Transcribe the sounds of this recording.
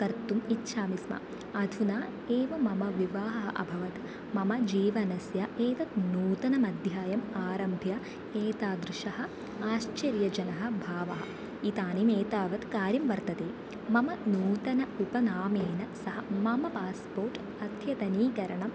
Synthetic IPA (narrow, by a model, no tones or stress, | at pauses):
k̪ɐɾt̪umitːʃʰaːmismɐ̰ | ɐd̪ʱunaː | eːʋɐmɐmɐʋiʋaːɦɐɦɐʔɐ̰bʱɐʋɐt̪ | mɐmɐd͡ʒiːʋɐnɐsjɐʔeːt̪ɐt̪nuːt̪ɐnɐmɐd̪ʱjaːjɐmaːɾɐmbʱjɐ | eːt̪aːd̪ɾɪʃɐɦɐ̆ | aːʃt͡ʃɐɾjɐd͡ʒɐnɐɦɐ̆bʱaːʋɐ̰ɦɐ̰ | it̪aːnimeːt̪aːʋɐt̪kaːɾjɐmʋɐɾt̪ɐt̪eː | mɐmɐnuːt̪ɐnɐupɐnaːmeːnɐsɐɦɐmɐmɐpaːspoːɾʈ | ɐt̪ʰjɐt̪ɐniːkɐɾɐɳɐm